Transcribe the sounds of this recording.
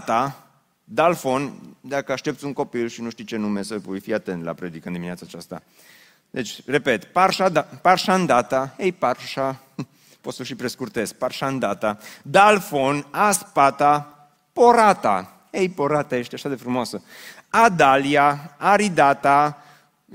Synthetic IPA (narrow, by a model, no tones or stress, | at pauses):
t̪a | d̪alfo̞nd̪akəaʃt̪e̞p̚t̪sʲuŋko̞pilʃinuʃt̪it͡ʃe̞numesəpujfiat̪e̞nt̪la̰pɾe̞d̪ikənd̪imineat̪sat͡ʃast̪a̰ | d̪e̞t͡ʃʲre̞pe̞t̪parʃad̪aparʃaɨnd̪at̪ahejparʃa | pot̪səʃipɾeskurt̪e̞s̚parʃand̪at̪ad̪alfo̞naspat̪a | po̞ɾat̪a̰ | ejpo̞ɾat̪aje̞ʃt̪eaʃad̪e̞fɾumoasə | ad̪aliaːɾid̪at̪a